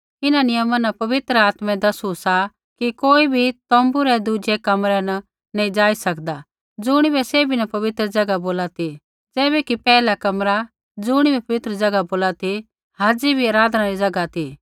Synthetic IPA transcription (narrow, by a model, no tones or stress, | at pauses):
ɪnãnɪjəmãnɐpɐʋɪt̪ɾəaːt̪mɛ̃d̪ɐsusa | kikoːibʱit̪ɔ̃ːmbuɾɛd̪ud͡ʒɛkɐmɾɛnɐ | nĩd͡ʒaːisɐkd̪a | d͡zʊːɽ̃ibɛseːbʱinɐpɐʋɪt̪ɾəd͡zɐɡaboːlat̪i | d͡zɛːbɛkipɛːlakɐmɾa | d͡zʊːɽ̃ibɛpɐʋɪt̪ɾəd͡zɐɡaboːlat̪i | ɦaːd͡zibʱiɐɾaːd̪nãɾid͡zɐɡat̪i